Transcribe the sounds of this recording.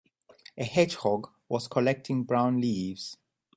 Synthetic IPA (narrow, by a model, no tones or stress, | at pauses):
əhɛd͡ʒhɔɡ | wɔz̥kʰɔlɛk̚tʰɪ̃ŋbɹãʊ̃nliːvz̥